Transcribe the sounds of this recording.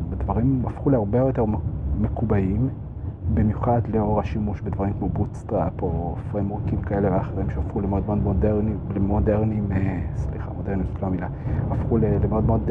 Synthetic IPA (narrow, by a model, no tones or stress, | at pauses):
bedvaʁimafχuleaʁbeojot̪e̞ʁmekubaim | bimjuχadleo̞ʁaʃimuʃbedvaʁimkmobutstʁapo̞fʁejmokimkae̞leveaχeʁimʃeafχulemeodmeodmodeʁnilemodeʁnimesliχa̰mode̞nitloamilaafχulelemeo̞dmeo̞d